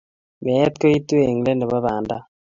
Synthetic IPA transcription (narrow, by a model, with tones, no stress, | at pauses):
mɛ˨ɛ˦t̪̚ko˦i˦t̪u˦e˨ŋ˨le˦nɛ˨βa˦βaː˨nda˦